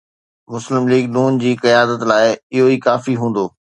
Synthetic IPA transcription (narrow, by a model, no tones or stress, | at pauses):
mʊslɪmliːɡnuːnd͡ʑiːkɐjaːd̪ət̪laːɪɪɦoiːkaːfiɦũːn̆d̪oː